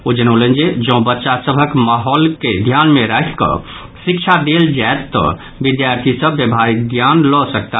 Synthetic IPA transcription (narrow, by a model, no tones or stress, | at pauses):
od͡ʒənolə̃nd͡ʒed͡ʒɔ̃bətːʃasəbʱəkmaɦɔːlked̪ʱjanmeɾakkə̰ | sikt͡ʃʰad̪eld͡ʒaet̪ːɔ̰ | bid̪jaɾt̪ʰisəbːjəbʱaɾikɡ̪janlɔsək̚t̪a